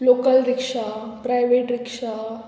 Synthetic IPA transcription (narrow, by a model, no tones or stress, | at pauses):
lokəlɾɪkʂapɾajʋeːʈɾɪkʂa